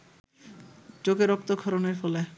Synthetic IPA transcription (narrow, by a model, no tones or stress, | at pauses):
t͡ɕoɡeɾɔk̚t̪okʰɔɾoneɾfɔle